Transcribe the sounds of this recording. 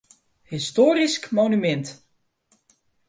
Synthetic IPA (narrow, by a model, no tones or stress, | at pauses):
histoːɾiskmonymɛnt